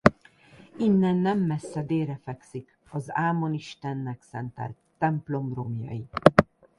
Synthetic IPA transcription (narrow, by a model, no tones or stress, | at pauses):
inːɛnːɛmːɛsːɛd̪eːɾɛfɛksik | ɒzaːmo̞niʃt̪ɛnːɛksɛnt̪ɛ̰lt̪ːɛmplo̞mro̞mjɒ̰ji